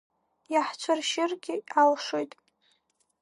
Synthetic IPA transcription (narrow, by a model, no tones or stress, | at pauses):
jaħt͡ʃʷʰarʃɪrɡʲɪalʂojtʼ